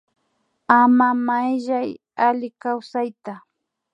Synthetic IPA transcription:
amamajʒaj | alɪkawsajt̪a

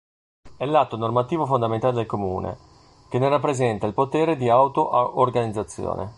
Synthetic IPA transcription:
ɛlːat̪ːonormat̪iːvofond̪ament̪aled̪elkomṵːnḛ | k̟enerapːɾezɛnt̪ailpot̪eːɾed̪iawt̪oʔʔːrɡanid̪zːat̪sːjo̰ːnʔḛ

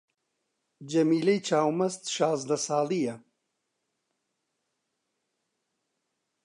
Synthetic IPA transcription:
d͡ʒɐmiːlejt͡ʃʰaːwmɐst̪ʃaːzd̪ɐsaːlija

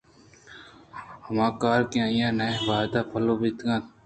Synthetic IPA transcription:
həmãːkaːɾkẽãːjãːnaʋaːd̪aːpʰəloːbiːt̪ɡãːt̪

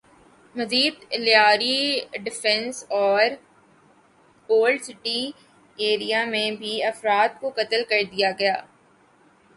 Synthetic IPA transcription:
mɐziːd̪ljaːɾiɖɪfɛ̃nsɔːɾ | oːlɖsɪʈi | eːɾijamẽbʱiɐfɾaːt̪̚kokɐt̪əlkɐɾd̪ijaɡɐjaː

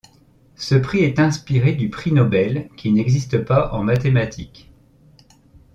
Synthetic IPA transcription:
səpχiɛt̪ɛ̃spiʁed̪ypχinɔbɛlkʲinɛɡzist̪əpaʔɑ̃mat̪emat̪ʰik

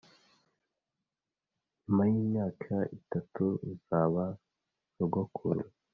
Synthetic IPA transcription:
ɲumajiːmɲaːkʰaʔitatuzaːβa | uɡokʰṵɾu

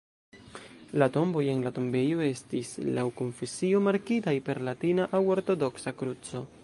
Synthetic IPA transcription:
lato̞mbo̞je̞nlatombe̞joe̞stislawko̞ɱfesio̞maɾkitajpe̞ɾlatinaʔawo̞ɾto̞do̞ksakɾut͡so̞

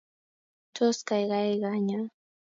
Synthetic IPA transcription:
t͡ʃoskɑjɢɑjɢɑɲa

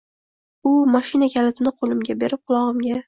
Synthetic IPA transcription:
ʊmaʃɪnakʲʰalat̪ʰɪnɪqʰolˠɪmɡʲabe̞ɾɪp̚qʰʊlˠɒʁɨmɡʲa

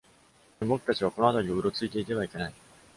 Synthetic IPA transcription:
mo̞ki̥t̪at͡ɕiβ̞ako̞noat̪aɾʲioɯ̟ɾo̞t͡sɨit̪e̞it̪e̞βaike̞nai

